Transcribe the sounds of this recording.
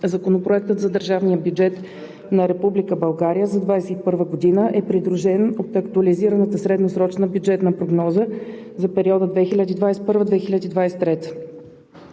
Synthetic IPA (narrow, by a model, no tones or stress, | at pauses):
zɐkonopɾoɛk̚t̪ət̪zɐd̪əɾʒavnijəbjud͡ʒɛt̪ | nɐɾɛpublikəbɐlˠɡaɾijəzɐd̪vajsɛt̪ipɤɾvəɡod̪inəʔɛpɾid̪ɾuʒɛnot̪ɐkt̪uɐliziɾənət̪əsɾɛd̪nəsɾɔt͡ʃnəbjud͡ʒɛt̪nəpɾoɡnɔzə | zɐpɛɾiɔd̪əd̪vɛxilʲad̪iːd̪vajsɛt̪pɤɾvəd̪vɛxilʲad̪iːd̪vajsɛ̥t̪ːɾɛt̪ə̥